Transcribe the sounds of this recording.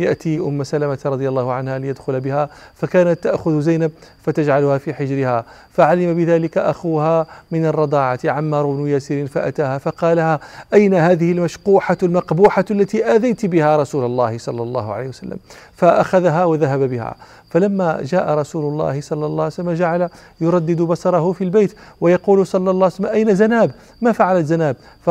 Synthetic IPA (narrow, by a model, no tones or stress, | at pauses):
jaʔt̪iʔʊmːsalamat̪ɾˤɑd̪ˤɨjɑlˤːɑːhʊʕanhalɪjad̪xʊlbɪhafakaːnat̪ːaʔxʊðzajnab̚fat̪ad͡ʒʕalʊhaːfiːħɪd͡ʒɾɪhaː | faʕalɪmabɪðaːlɪkaʔaxuːhamɪnɑrˤːɑd̪ˤɑːʕat̪ʕamːɑːɾˤʊbnʊjaːsiːɾinfaʔa̰t̪aːhaːfɑqɑːlahaʔajnaɦaːðɪhɪlmaʃquːħalmɑqbuːħalːat̪iːʔæðajt̪bɪhaːɾˤɑsuːlɑlˤːɑ̰ːhɪsˤɑlːɑlˤːɑ̰ːhʊ̰ʕalḛjhwsa̰lːa̰mfaʔaxaðɦawaðaɦababɪha̰ | falamːaʒaːʔaɾˤɑsuːlʊlˤːɑ̰ːhɪsˤɑlːɑlˤːɑːʕslːmaʒaʕala | jʊɾˤɑd̪ːɪd̪bɑsɑɾˤɑɦʊfilbajt̪wajɑquːlʊsˤɑlːɑlˤːɑːʕslːmʔajnazanaːb | mafaʕalazanaːb̚ | f